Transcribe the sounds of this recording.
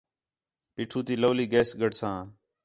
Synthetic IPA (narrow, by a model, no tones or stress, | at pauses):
piːʈʰuːt̪iːloːliːɡeːsɡəɖsãː